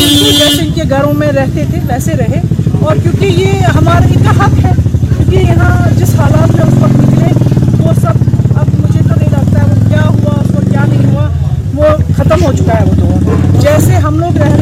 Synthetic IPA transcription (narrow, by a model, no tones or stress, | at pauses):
ɪed͡ʒɛːseɪnkeɡʱɐɾõmẽɾɛɦt̪et̪ʰeʋɛːseɾɐɦeɔːɾkjũːkijeɦɐmaːɾɪkaɦɐkɦɛːkjõːkijɐɦãd͡ʒɪsɦaːlaːt̪mẽʊspɐknɪklẽʋosɐb̚ɐbmʊd͡ʒʱet̪onɐɦĩɾɐk̚t̪aɦɛʋokjaːɦuaoɾkjaːnɐɦĩɦua | ʋoxɐt̪əmɦot͡ʃʊkaɦɛʋot̪od͡ʒɛːseɦɐmloːɡɾɛɦ